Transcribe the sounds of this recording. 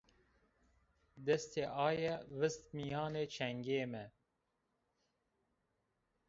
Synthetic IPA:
d̪ɛst̪eːʔɑːjɛvɨst̪mijɑːneːt͡ʃʰɛŋɡeːmɛ

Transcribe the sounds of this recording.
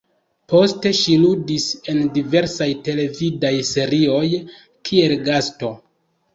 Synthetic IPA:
po̞ste̞ʃiludise̞ndive̞ɾsajte̞le̞vidajse̞ɾio̞j | kʰie̞lɡasto̞

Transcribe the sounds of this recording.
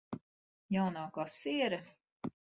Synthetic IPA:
jawnaːkaːsiɛɾɛ

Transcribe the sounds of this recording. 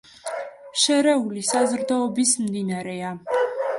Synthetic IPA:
ʃɛɾɛulisazɾd̪aɔbismd̪inaɾɛa

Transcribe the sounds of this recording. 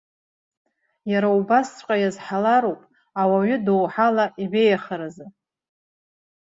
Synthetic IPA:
jaɾaubast͡sʷʼqʼajazħalaɾopʼ | awaɥʏdowħalaʔibejaχəɾazɨ

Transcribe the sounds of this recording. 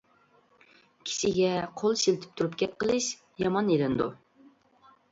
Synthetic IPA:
kʲʰi̥ʃɪɡʲɛqʰolˠsilt̪ʰɪ̥p̚t̪ʰuɾupɡʲɛp̪̚qʰəlˠɨʃ | jɑmɑnelɪnd̪ṵ

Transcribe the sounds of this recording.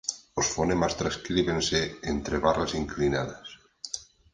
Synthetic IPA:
osfonemast̪ɾaskɾiβenseent̪ɾeβarasiŋklinaðas

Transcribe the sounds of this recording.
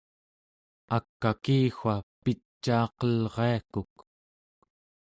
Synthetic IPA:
akːakiːxʷapit͡ʃːɑːqʌlʁeakuk

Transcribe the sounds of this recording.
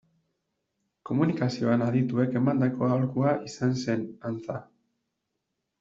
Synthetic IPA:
ko̞munikasio̞anaðit̪ue̞ke̞mand̪ako̞aolkuaʔisanse̞nant͡sa

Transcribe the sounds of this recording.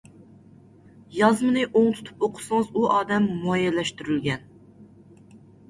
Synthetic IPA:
jɑzmɨnɨʔoŋt̪ʰu̥t̪ʰu̥poqʰʊ̥sɨŋɨzuʔɑːd̪ɛmːɑjɛlɛʃt̪yɾylɡʲɛn

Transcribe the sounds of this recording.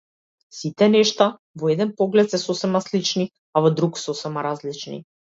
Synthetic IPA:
sit̪ɛnɛʃt̪a | vɔɛd̪ɛnpɔɡlɛt̪sɛsosɛmaslit͡ʃni | avɔd̪ɾuksɔsɛmaɾazlit͡ʃnḭ

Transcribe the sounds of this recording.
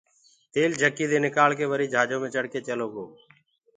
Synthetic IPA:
t̪eːld͡ʒʱəkːiːd̪eːnɪkaːlkeːʋəɾiːd͡ʒʱaːd͡ʒõːmẽːt͡ʃəɽkeːt͡ʃəloːɡoː

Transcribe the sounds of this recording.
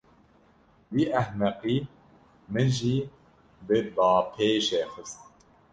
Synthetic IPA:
wiːʔæhmɛqiː | mɨʒiː | bɨbɑːpʰeːʃeːxɨst̪̚

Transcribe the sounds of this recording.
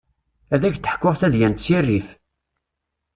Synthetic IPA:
æðæçθə̥ħkːʊʁθæðjænt̪t͡sːirːif

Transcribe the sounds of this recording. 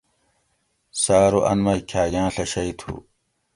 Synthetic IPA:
saːɾuʔɐ̰nmɐikʰaːɡãːɬɐɕɐit̪ʰṵ

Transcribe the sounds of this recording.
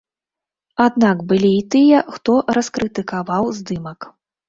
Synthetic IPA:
ad̪nakbɨlʲiːt̪ɨjɐxt̪ɔɾɐskɾɨt̪ɨkavawzd̪ɨmɐk

